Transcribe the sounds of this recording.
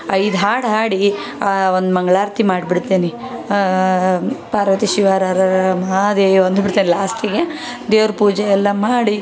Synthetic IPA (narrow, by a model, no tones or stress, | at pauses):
ɐjd̪ɦaːɽɦaːɽi | aond̪umɐŋɡɭaːɾt̪imaːɽbiɽt̪ːeːni | paːɾʋɐt̪iʃiʋaːɾaɾɐmaːd̪eond̪biɽt̪ːeːnilaːsʈiɡe | d̪eːʋɾɐpuːd͡ʒɛɛlːɐmaːɽi